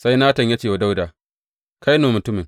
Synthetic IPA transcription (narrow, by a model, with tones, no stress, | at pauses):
sa˦jnaː˦tɐ˨ɲja˦t͡ʃeː˦˨wa˨da˦wdaː˨ | ka˦jnoː˨mʊ˨tʊ˦mɪ˨ŋ